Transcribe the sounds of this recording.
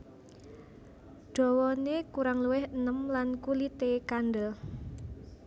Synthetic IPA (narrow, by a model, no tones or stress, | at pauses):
ɖ̥ɔ̤wɔnekuɾaŋluwɪhənəmlankulit̪ekanɖəl